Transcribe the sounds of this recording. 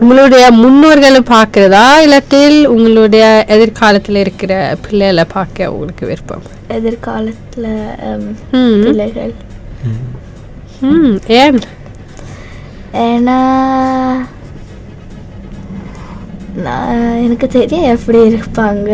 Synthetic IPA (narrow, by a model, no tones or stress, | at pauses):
ʊŋɡɐɭɯɽɐjɐmʊnːɯʋɐɾɣɐɭɯpaːɾkɯɾɐðaːɪlɐt̪ːɪlʊŋɡɐɭɯɽɐjɐʔɛðɪɾkʰaːlɐt̪ːɪlɪɾɯkːɪrɐpʰɪɭːɐjɪlɐpʰaːɾkɐjɐ̰ʊ̰ŋɡɐɭɯkːɯʋɪ̰ɾpːɐ̰m | ɛðɪɾkaːlɐt̪ːɪlɐ | pɪlːɐɪɣɐɭ | eːn | eːnːaː | nã̰ːɛnɐkːɯt̪ɛɾɪjɐɛpːɐɽiɪɾɯpːaːŋɡɐ